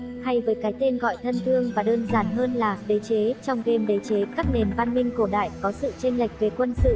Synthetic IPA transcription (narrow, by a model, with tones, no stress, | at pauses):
ha˧jvəː˨˦jkaː˨˦jt̪e˧nɣɔ̰˧˨jt̪ʰə˧nt̪ʰɨ˧əŋvaː˨˩ɗəː˧nzaː˧˩nɦəː˧nlaː˨˩ɗe˨˦t͡ɕe˨˦t͡ɕɔ˧wŋ͡mke˧mɗe˨˦t͡ɕe˨˦kaː˦˥k̚ne˨˩nva˧nmï˧ŋ̟ku˧˩əɗa̰ː˧˨jkɔ˨˦sɨ̰˧˨t͡ɕe˧ŋ̟la˨˩jk̟̚ve˨˩kwə˧nsɨ̰˧˨